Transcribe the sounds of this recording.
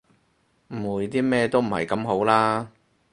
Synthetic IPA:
m̩˨˩wuː˨˩jt̪̬iː˥mɛː˥t̪o˥wm̩˨˩hɐ̰˨˩jkɐ˨˥mɦo˨˥wlaː˥

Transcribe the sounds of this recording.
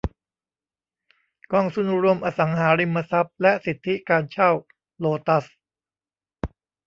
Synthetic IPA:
kɔː˧ŋsu˧n˧ɾu˧əmʔaː˧sa˩˦ŋɦaː˩˦ɾi˧mːa˧sa˦˥p̚lɛ˦˥ʔsi˨˩t̪ʰːi˦˥kaː˧nt͡ɕʰa˥˩w | loː˧t̪a˦˥s

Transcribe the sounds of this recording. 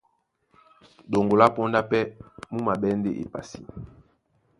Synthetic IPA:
ɗo˨ŋɡo˨la˦po˦nda˦pɛ˦mu˦ma˨bɛ˦nde˦ʔḛ˨pa̰˨si˦

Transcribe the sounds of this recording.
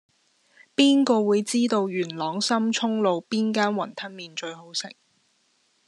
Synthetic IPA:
piː˥nkɔː˧wuː˨˧jt͡siː˥t̪o˧wjyː˨˩nlɔː˨˥ŋsɐ˥mt͡ʃʰʊ˥ŋlo˨˧wpiː˥nkaː˥nwɐ˨˩nt̪ʰɐ˥nmiː˨˧nt͡ʃɵ˧ɥɦo˨˥wsɪ̰˨˩ŋ

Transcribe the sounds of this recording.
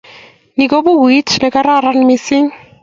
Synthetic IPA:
ni˨ko˦bʊ˦wwi˦tʰlɪ˦ka˦ɾa˦ɾa˦nɪ˦mɪsɪ˦ŋ̩˦

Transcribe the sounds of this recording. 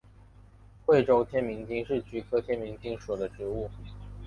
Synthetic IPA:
xwe˥˩ɪʈ͡ʂo˥ʊt̪ʰjɛ˥nmi˧˥ŋt͡ɕi˥ŋʂɻ̩˥˩t͡ɕy˧˥kʰɤ˥t̪ʰjɛ˥nmi˧˥ŋt͡ɕi˥ŋʂɔ˨˩d̪ə˦ʈ͡ʂɻ̩˧˥u˥˩

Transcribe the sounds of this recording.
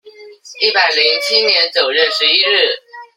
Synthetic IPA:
i˥˩pa˨˩ɪli˧˦˥ŋt͡ɕʰi˥njɛ˧˦nt͡sjo˨˩ʊɻə˥˩nʂɻ̩˧˥˦i˥ɻ̩˥˩

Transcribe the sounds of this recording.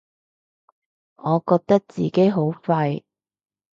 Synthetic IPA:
ŋɔː˨˧kɔː˧k̚t̪ɐ˥k̚t͡sḭː˨˩ke˨˥jɦo˨˥wfɐ˧j

